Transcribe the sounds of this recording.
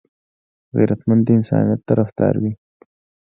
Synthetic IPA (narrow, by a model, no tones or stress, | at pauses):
ɣḛɾʔat̪mand̪əɪnsɑ̰nijat̪ːaɾafd̪̥ɑ̰ɾwi